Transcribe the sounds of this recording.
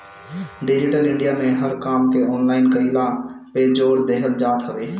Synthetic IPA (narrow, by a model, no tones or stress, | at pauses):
ɖɪd͡ʒɪʈəlɪ̃ɳɖijamẽɦəɾkaːmkeɔːnlaːɪnkəɾiːlapeːd͡ʒoːɾd̪eːɦət̪d͡ʒaːt̪ɦəʋeː